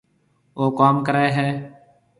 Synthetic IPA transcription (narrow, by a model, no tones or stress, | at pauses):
oːkaːmkəɾeːɦɛː